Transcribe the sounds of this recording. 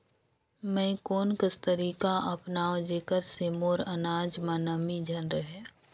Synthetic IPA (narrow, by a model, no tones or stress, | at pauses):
mɛ̃koːnkəst̪əɾiːkaʔɐpnaːwd͡ʒeːkəɾseːmoːɾənaːd͡ʒmanəmid͡ʒʱɐnɾəɦeː